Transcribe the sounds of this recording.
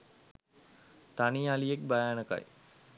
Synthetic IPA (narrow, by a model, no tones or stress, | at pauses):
t̪anialiek̚bajanəka̰j